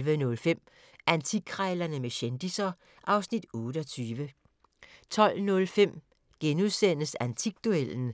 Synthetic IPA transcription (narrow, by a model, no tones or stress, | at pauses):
ʋənɔ̽lfem̰ | ʔænt͡sʰiɡ̥ʰʁɛɪlɐnəmeɕend̥isɐ | ʔɑ̈ʊsnid̥ɔ̽ːdəɒt͡sʰyːʋə | t͡sʰɒ̽l̰nɔ̽lfem̰ | ɡ̥enuðˠsen̰əsænt͡sʰiɡ̥d̥uel̰n̩